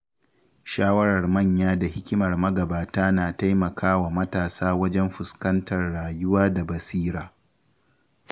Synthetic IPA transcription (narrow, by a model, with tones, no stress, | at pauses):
ʃaː˦wɐ˦ɽɐ˨rmɐ˦˨ɲjaː˦da˨hɪ˦kʲɪ˦mɐ˨rmɐ˦ɡɐ˨baː˨taː˦naː˨ta˦jmɐ˨kʰaː˦wa˨mɐ˦taː˨saː˦wɐ˦d͡ʒɛ˦mɸʊ˨skɐ˦ntɐ˨rɽaː˨jʊ˦waː˦da˨bɐ˨siː˦ɾaː˨